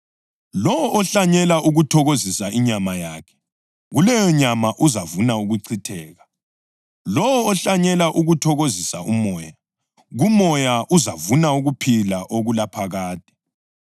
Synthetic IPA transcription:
lɔwɔɔɬaɲɛlaʔuɣutʰɔɣozisaiɲamajaːkʰɛ̥ | ɣulɛjɔɲamaʔuzavunauɣuǀʰitʰɛːɣa | lɔwːɬaɲɛlaʔuɣutʰɔɣozisa̰ʔumɔːja | ɣumɔjaʔuzavunauɣupʰilaʔoɣulapʰaɣaːd̥ʱɛ̥

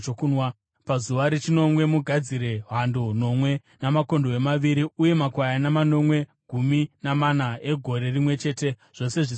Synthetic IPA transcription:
okunwa | pazuʋaɾet͡ʃino̞mwe̞muɡʱad͡ziɾe̞ɦandono̞mwe̞ | namako̞ndoemaʋiɾiuje̞makwajanamano̞mwe̞ɡʱuminamanae̞ɡʱo̞ɾe̞rimwe̞t͡ʃe̞ːte̞ʐ̥o̞se̞ʐis

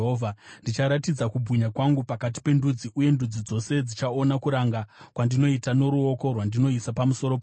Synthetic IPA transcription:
ɦovʱandit͡ʃaɾatid͡zakubʱuɲakwaŋɡupakat̬i̥pe̞ndud͡ziʔuje̞ndud͡zid͡zo̞se̞d͡zit͡ʃao̞nakuɾaŋɡakwandino̞itano̞ɾuo̞ko̞rwandino̞isapamuso̞ɾop

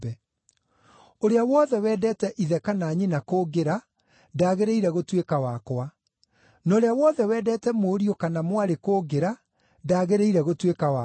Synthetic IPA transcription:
ɛ | oɾeawɔðɛwɛːdɛtɛʔiðɛkanaːɲinakoɡeɾa | daːɣeɾeiɾɛɣotwekawaːkwa | nɔːɾeawɔðɛwɛːdɛtɛmoːɾiokanamwaɾekoːɡeɾa | daːɣeɾeiɾɛɣotwekawa

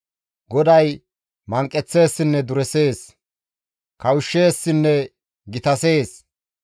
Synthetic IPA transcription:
ɡɔd̪ɐj | mɐŋkʼːɛt͡sːe̞ːsːɪnːɛd̪ʊɾɛse̞ːs | kɐwʊʃːeːsːɪnːɛ | ɡɪt̪ɐse̞ːs

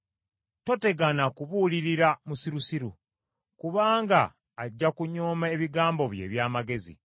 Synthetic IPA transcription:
to̞te̞ɡanakuβuliɾiɾamusiɾusiɾṵ | kuβaːŋɡaː | ɟːakuɲo̞ːmae̞βiɡaːmbo̞βje̞̰ːβjaːmaɡe̞zḭ

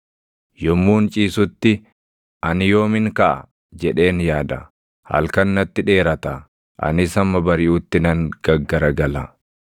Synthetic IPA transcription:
jɔmːuːnt͡ʃʼiːsʊt̪ːɪ | ʔɐnɪjo̞ːmɪŋkɐʔɐ̰ | d͡ʒɛᶑe̞ːnjaːd̪ɐ̰ | hɐ̰lkɐnːɐt̪ːɪᶑe̞ːɾɐt̪ɐ | ʔɐ̰nɪsɐmːɐbɐɾɪʔʊt̪ːɪnɐŋɡ̥ɐɡːɐɾɐɡɐlɐ

